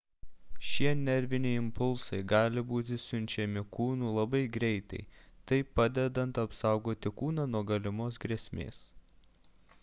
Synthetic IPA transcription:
ʃʲiɛnʲɛɾʲʋʲɪnʲɛɪɪmpʊlˠsɐɪɡɑːlʲɪbuːt̪ʲɪsʲʊnʲt͡ʃʲɛmʲɪkuːnuːlˠɐbɐɪɡɾʲɛɪt̪ɐ̰ɪt̪ɐɪpɑd̪ʲɛd̪ɐnt̪ɐpsɑˑʊɡoːt̪ʲɪkuːnɑnuɔɡɐlʲɪmoːsɡɾʲiɛsʲmʲḛːs

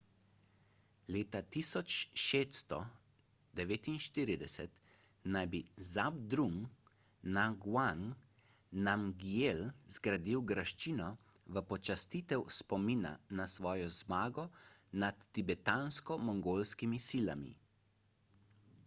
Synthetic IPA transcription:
leːt̪at̪isɔt͡ʃʃeːt̪st̪ɔ | d̪ɛʋeːt̪inʃt̪iːɾid̪ɛsɛt̪najbizabd̪ɾum | naɡwaŋ | namɡjelzɡɾad̪iwɡɾaʃt͡ʃiːnɔʋəpɔt͡ʃast̪it̪ɛwspɔmiːna̰nasʋɔːjɔzmaːɡɔnat̪ːibɛt̪anskɔmɔŋɡoːlskimisila̰mḭ

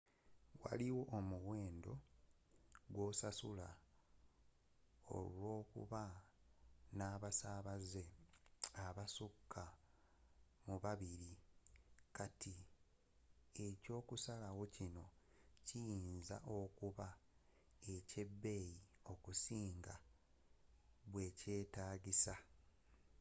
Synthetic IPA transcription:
wa̰liwo̞ʔːmuɣwe̞ːndo̞ | ɡwo̞sasula | o̰lwo̞ːkṵβa | naːβasaːβaze̞ | aβasukʰːa | muβaβiɾi | kati | e̞co̞ːkusalawo̞cino̞ | cijiːnza̰ʔo̞kuβa | e̞ce̞bːe̞jio̞kusiːŋɡa | βwe̞ce̞ːtaːɟisa

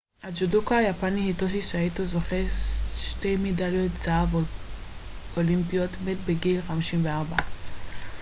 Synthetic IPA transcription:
ad͡ʒudukajapanihitoʃ̬isaitozoχeʃtejmedaljotzaavo | olimpijot̪metbeɡilχamiʃimveaʁba

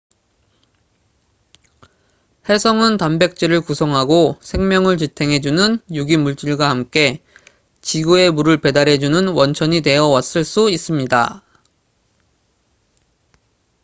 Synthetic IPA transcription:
he̞sʰʌŋɯntambe̞k̚t͡ɕ͈iɾɯɭkusʰʌŋɦaɡosʰe̞ŋmjʌŋɯɭt͡ɕitʰe̞ŋɦe̞d͡ʑunɯnjuɡimuɭt͡ɕ͈iɭɡwahamk͈e̞ | t͡ɕiɡoe̞muɾɯɭpe̞daɾɦe̞d͡ʑunɯnwʌnt͡ɕʰʌɲine̞ʌwas͈ɯɭs͈uis͈ɯmɲida̰

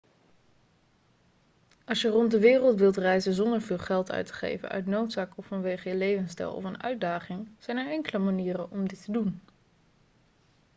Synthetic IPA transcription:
ɑlˠʃjərɔntdəʋɪːrəlˠtʋɪlˠtrɛjzənzɔndəɹvɪːlˠχɛlˠtœ̰ɥtə̥χḛjvə̰nœ̰ɥtnowtsaːkɔffɑnʋejχəjəlejvənstɛ̰lˠɔ̰fənœ̰ɥd̚daːχɪŋz̥ɛjnəɹɛŋkələmaniːrəɔmdɪtʰədun

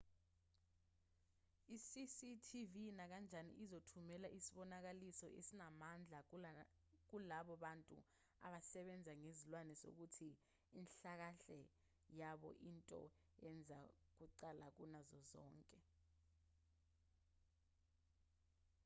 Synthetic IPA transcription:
isisitʰivinak̬and͡ʒʱanḭʔizotʰumɛlaʔisiɓɔnak̬alisɔʔḛsinamand͡ɮʱa | k̬ulaɓɔɓantʼṵ | a̰ɓasɛɓɛnd͡zʱaŋezilwanɛso̰k̬utʰiː | nɬak̬aɬɛ | jaɓɔ̰ʔintʼɔ̰ | ɛnd͡zʱak̬uǀalak̬unazɔzɔ̰ːŋkʼɛ

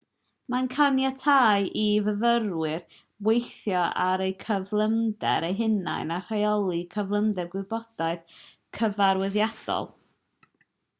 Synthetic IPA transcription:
mankʰanjatʰaːjʔivəvəɾwɨr | wejθjɔaɾejkʰəvlˠəmdɛ̰ɾejɦɪna̰jnar̥ajɔlˠikʰəvlˠəmdɛrɡwɪbɔd̥aɨð | kʰəvaɾwɪðjad̥ɔ̰lˠ

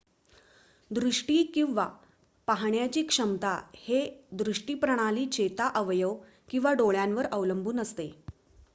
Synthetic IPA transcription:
d̪ɾuʂʈiːkĩw̃ʋa | paɦɳjat͡ɕiːkʂəmt̪ahed̪ɾuʂʈiːpɾəɽ̃aliːt͡ɕet̪aʔəʋjəʋ | kĩw̃ʋaɖoɭjãnʋəɾəʋləmbʱuːnəst̪e

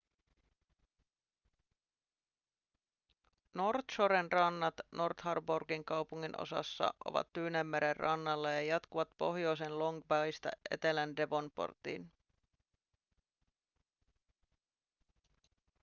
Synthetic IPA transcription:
no̞rt̪ʃoɾenrɑnːɑt̪no̞rt̪hɑrborɡiŋkɑwpuŋːino̞̰sɑ̰sːɑ̰ʔo̞̰ʋɑ̰t̪ːyːnemːeɾerːɑnːɑlːɑjɑjɑt̪kuʋɑt̪po̞ɦjo̞jse̞nlo̞ŋɡbɑjst̪æ̰ʔe̞̰t̪e̞lænde̞ʋo̞npo̰rt̪ḭn

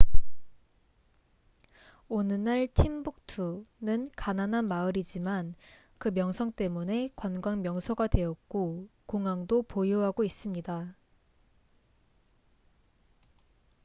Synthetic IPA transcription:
onɯnaɭtʰimbuk̚tʰunɯnkananɦanmaɯɾid͡ʑiman | kɯmjʌŋsʰʌŋt͈e̞mune̞kwanɡwaŋmjʌŋsʰʌɡadwe̞jʌk̚k͈okoŋaŋdopojoɦaɡois͈ɯmɲida

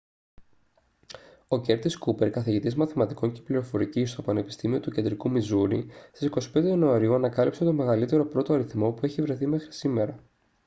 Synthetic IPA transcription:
o̞ce̞ɾt̪iskupe̞ɾkɐθiʝit̪izmɐθimɐt̪iko̞ɲce̥pliɾo̞fo̞ɾicist̪o̞pɐne̞pi̥st̪imio̞t̪uce̞nd̪ɾikumizuɾist̪isiko̞si̥pend̪enoɐɾiuɐnɐkɐlipse̞t̪o̞me̞ɣɐlit̪e̞ɾo̞pɾo̞t̪o̞ɐɾiθmo̞pue̞çivɾe̞θime̞xɾi̥sime̞ɾɐ

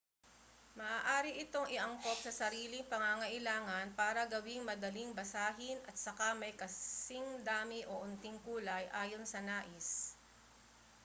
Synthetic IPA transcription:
mɐʔaːʔaːɾɪʔɪt̪o̞ŋʔɪʔɐŋko̞p̚sɐsɐɾiːlɪŋpɐŋaŋɐʔɪlaːŋɐnpaːɾɐɡɐwiŋmɐd̪ɐliŋbɐsaːɦɪnʔɐt̪̚sɐkamɐjkɐsɪŋd̪aːmɪʔoʔʊnt̪ɪŋkuːlɐjʔaːjo̞nsɐnaːʔɪs

